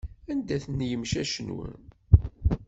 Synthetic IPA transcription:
ænd̪æθənjəmʃæʃənwə̰n

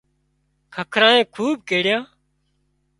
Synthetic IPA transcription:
kʰəkʰɾãːẽːkʰuːb̚keːɽɪjãː

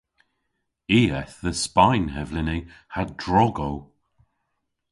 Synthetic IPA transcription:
iːɛθðəspajnhɛvlɪnihadɹɔɡow

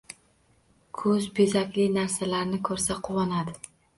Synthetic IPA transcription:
kʰɵzbezakʲlɪnaɾsalaɾnɪkʰɵɾsaqʰʊwɒnad̪ɪ

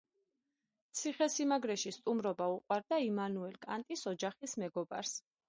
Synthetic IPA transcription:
t̪sʰiχɛsimaɡɾɛʃist̪ʼumɾɔbauqʼwaɾd̪aimanuɛlkʼant̪ʼisɔd͡ʒaχismɛɡɔba̰ɾs

